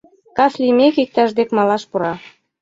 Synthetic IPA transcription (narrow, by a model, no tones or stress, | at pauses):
kɑslimekik̚t̪ɑʒd̪ekmɑlɑʃpuɾɑ